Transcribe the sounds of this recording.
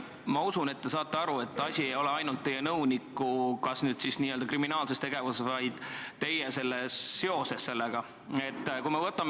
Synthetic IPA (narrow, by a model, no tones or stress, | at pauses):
mɑusune̞t̪ːe̞sɑːt̪ˑːeɑɾue̞t̪ːˑɑsʲiejo̞leɑjnult̪ːe̞jenɤwnikːukɑsnyːd̪̥sisniːøld̪ɑkriminɑːlse̞st̪e̞ɡ̥e̞vussvɑjd̪̥t̪e̞jese̞lːesːeo̞se̞sːe̞lːeɡ̥ɑ | e̞t̪ːkuimevɤt̪ːˑɑme